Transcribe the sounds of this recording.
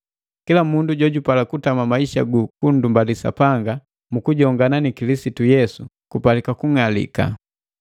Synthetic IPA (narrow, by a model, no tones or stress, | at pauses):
kilamunduɟɔɟupalakutamamaiʃa̰ɡukun̩dumbalisa̰paŋɡa | mukuɟɔŋɡananikilisitujɛsu | kupalikakuŋalḭka̰